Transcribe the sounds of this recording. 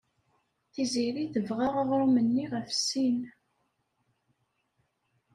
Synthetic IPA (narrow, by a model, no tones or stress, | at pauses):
θiziɾiθəvʁaʁaʁɾumənːiʁəfsin